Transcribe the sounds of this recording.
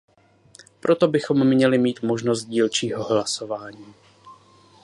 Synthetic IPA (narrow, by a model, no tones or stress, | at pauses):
pɾʔo̞t̪o̞bɪxo̞mːɲɛlɪmiːt̪mo̞ʒno̞s̬t̪̚ɟiːlt͡ʃiːɦo̞ɦlaso̞vaːɲiː